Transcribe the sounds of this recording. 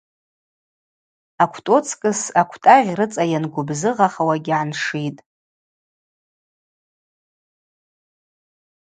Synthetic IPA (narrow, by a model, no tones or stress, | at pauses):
akʷʰtʼo̞t͡sʰkʼɨsakʷʰtʼaʁʲrɨt͡sʼajanɡʷʊbzɨʁaχawaɡʲʕanʂitʼ